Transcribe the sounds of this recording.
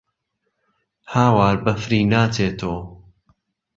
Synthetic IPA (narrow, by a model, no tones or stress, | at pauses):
haːwaːɾbɐfɾiːnaːt͡seːt̪ʰoː